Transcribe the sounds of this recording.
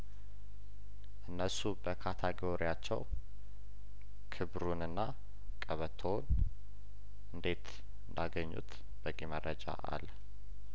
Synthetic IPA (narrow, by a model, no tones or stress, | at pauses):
ʔɨnːəsubəkʰat̪ʰəɡoɾijat͡ʃːɛ̰w | kʰɨβɾunɨnːa | kʼəβət̪ʰon | ʔɨnd̪e̞t̪ | ɨnd̪aɡəɲːṵt̪ | b̥əɡemərəd͡ʒa̰ʔa̰l